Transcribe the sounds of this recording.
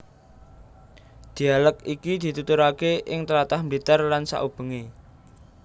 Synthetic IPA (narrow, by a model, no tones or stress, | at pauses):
d̪̥i̤alək̚ikid̪̥i̤t̪ut̪uɾakeʔɪŋt̪əɾat̪ahməlit̪arlansa̰ʔub̥ə̤ŋe